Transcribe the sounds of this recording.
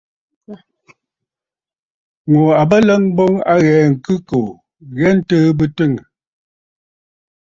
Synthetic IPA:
ŋo˨a˨bə˦lə˦ŋbɔ˦ŋa˦ɣɛː˨˦ŋ̩˨kɨ˦ko˨ | ɣɛ˦n̩˦təː˦bɨ˦tɨ˦˨ŋ˨

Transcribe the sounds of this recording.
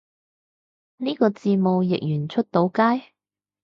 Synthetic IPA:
niː˥kɔː˧t͡siː˧mo˨wjɪ̰˨k̚jyː˨˩nt͡ʃʰɵ˥t̚t̪o˨˥wkaː˥j

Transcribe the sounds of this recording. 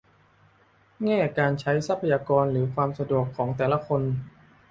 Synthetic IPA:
ŋɛː˥˩kaː˧nt͡ɕʰa˦˥jsa˦˥pʰːa˧jaː˧kɔː˧nlɯː˩˦kʰwaː˧msa˧du˨˩əkʰːɔː˩˦ŋt̪ɛː˨˩la˧˥kʰo˧n

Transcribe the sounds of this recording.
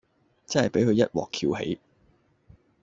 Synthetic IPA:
t͡sɐ˥nhɐ˨jpe˨˥jkʰɵ˨˧jɐ˥t̚wɔ̰ː˨˩kʰiː˧whḛ˨˥j

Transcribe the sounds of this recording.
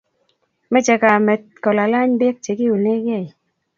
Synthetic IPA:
mɛ˦t͡ʃɛ˨ka˨mɛ˨t̚kɔ˨la˨la˦ɲbɛ˦k̚t͡ʃe˨kɪ˦u˨ne˦ɡɛ˦˨j

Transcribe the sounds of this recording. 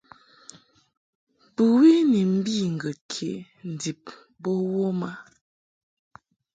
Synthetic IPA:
pu˨wi˦ni˨m̩˦bi˦˨ŋ̩˨ɡə˨kʰe˨ | n̩˨di˨p̚ | bɔ˦wo˦ma˦

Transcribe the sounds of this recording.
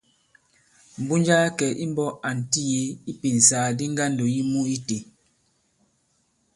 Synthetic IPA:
m̩˨bu˦nd͡ʒa˦kɛ˨ʔi˦mbɔ˦ʔa˨n̩˨ti˦je˦i˦pi˨n̩˨saː˨˦di˦ŋ˦ɡa˦˨ndo˨ji˦mu˦i˦te˨

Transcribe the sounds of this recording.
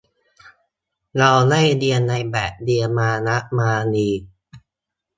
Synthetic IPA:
ɾa˧wla˥˩jdi˧ənːa˧jbɛ˨˩ʔ̚di˧əmaː˧na˦˥ʔmaː˧niː˨˧

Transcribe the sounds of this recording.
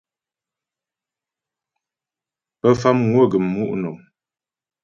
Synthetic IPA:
pə˦fa˦mŋwo˦˨ɡə˨mːu˦ʔnɔ˨m

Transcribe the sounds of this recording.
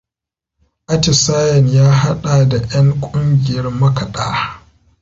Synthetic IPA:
ʔa˦tɪ˨saː˦jɐ˨njaː˦ɦa˦ɗa˨da˨j̰ɐ˦ŋkʷʼʊ˦ŋɡʲɪ˨jɐ˦rmɐ˦kɐ˨ɗaː˦

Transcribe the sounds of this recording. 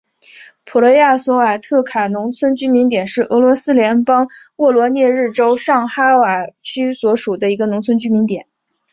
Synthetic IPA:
pʰu˨˩lə˧˥ja˥˩swɔ˧˥wa˨˩t̪ʰɤ˥˩kʰa˨˩nʊ˧˥ŋt͡sʰwə˥nt͡ɕy˥mi˧˥nt̪jɛ˨˩nʂɻ̩˥˩ʔɤ˧˥lwɔ˧˥sɹ̩˥ljɛ˧˥npɑ˥ŋ | wɔ˥˩lwɔ˧˥njɛ˥˧ɻɻ̩˥˩ʈ͡ʂo˥ʊʂɑ˥˩ŋxa˥wa˨˩t͡ɕʰy˥swɔ˧˥ʂu˨˩d̪ə˦i˧˥ɡə˧nʊ˧˥ŋt͡sʰə˥nt͡ɕy˥mi˧˥nt̪jɛ˨˩˦n

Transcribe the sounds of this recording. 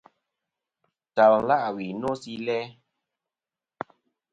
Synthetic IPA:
ta˨l̩˦la˦ʔwi˨no˦si˦lɛ˦

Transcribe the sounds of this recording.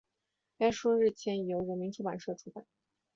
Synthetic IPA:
a˥ʂɔ˥ɻɻ̩˥˩t͡ɕʰjɛ˧˥njo˧˥ʊɔ˨˩mi˧˥ŋʈ͡ʂu˧˥pa̰˨˩nʂɤ˥˩ʈ͡ʂʰu˥pa˨˩˦

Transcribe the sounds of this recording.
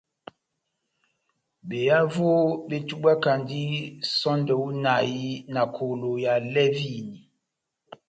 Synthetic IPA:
be˨ja˦vo˦be˦tu˦ɓa˦ka˨ndi˦sɔ˦ndə˨u˦na˨ji˦na˨kʰo˨lo˨ja˨lɛ˦vi˦˨ni˨

